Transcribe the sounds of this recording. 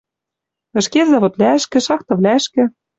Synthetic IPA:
ɘ̆ʃkezɑβot̪lʲæə̆ʃkɘ̆ʃɑxt̪ɤ̆βlʲæɘʃkɘ̆

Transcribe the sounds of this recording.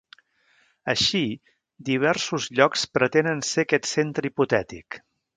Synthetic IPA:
əʃi | d̪iβ̞ɛɾsuzʎɔkspɾət̪enənsekɛt̪sent̪ɾəiput̪ɛt̪ḭk

